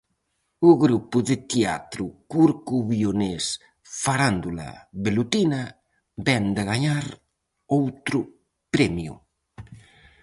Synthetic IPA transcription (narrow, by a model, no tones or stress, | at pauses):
uɣɾupuðet̪ea̰t̪ɾukuɾkuβiones | faɾand̪ula̰βelut̪ina | bɛnd̪eɣaɲaɾ | owt̪ɾu | pɾɛmjṵ